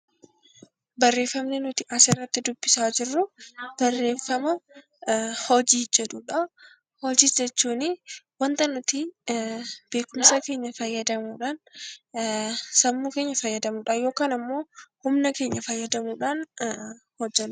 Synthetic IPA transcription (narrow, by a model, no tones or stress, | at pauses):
bɐrːe̞ːfːɐmnɪnʊt̪ɪʔɐsɛrːɐt̪ːɪd̪ʊb̥ːɪsaːd͡ʒɪrːʊb̥ɐrːe̞ːfːɐmɐ | hɔd͡ʒiːd͡ʒɛᶑuᶑɐ | hɔd͡ʒiːd͡ʒɛt͡ʃːuːnɪwɐnt̪ɐnʊt̪i | b̥e̞ːkʊmsɐke̞ːɲːɐfɐjːɐd̪ɐmuːᶑaːn | sɐmːuːke̞ːɲːɐfɐjːɐd̪ɐmuːᶑaːjoːkaːnɐmːo̞ːhʊmnɐke̞ːɲːɐfɐjːɐd̪ɐmuːᶑaːn | hɔd͡ʒːɛnʊ